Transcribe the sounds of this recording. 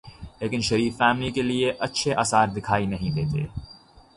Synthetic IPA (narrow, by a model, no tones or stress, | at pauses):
leːkɪnʃɐɾiːfːɛːmlikelieʔɐtːʃʰeʔaːsaːɾd̪ɪkʰaːinɐɦĩd̪eːt̪ḛː